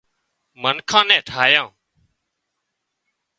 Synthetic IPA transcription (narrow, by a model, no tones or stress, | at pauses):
mənkʰãːnɛ̃ːʈʰaːjãː